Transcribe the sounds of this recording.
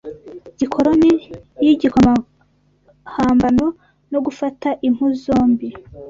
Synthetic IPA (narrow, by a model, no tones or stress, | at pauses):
ɟ̥ikʰo̞ɾonijiɟikoma | haːmbano | no̞ɡufataʔim̥huzo̞ːmbi